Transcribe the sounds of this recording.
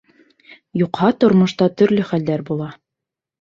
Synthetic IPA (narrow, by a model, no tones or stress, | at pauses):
juqhɑt̪ŏɾmŏʃt̪ɑt̪ɵ̆ɾlɵχæld̪æɾbulˠɑ